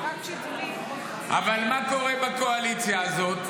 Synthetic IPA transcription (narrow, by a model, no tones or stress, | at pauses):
ʔa̰valmako̞ʁebako̞alit͡sjaːzo̞t̪